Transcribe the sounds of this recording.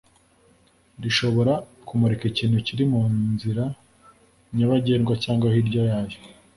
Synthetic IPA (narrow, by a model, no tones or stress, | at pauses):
ɾiʃo̞βo̞ɾa | kumuɾekiciːnhuciɾimuːnziɾa | ɲaβaɟeːnɡwacaːŋɡwahiɾɟojaːjo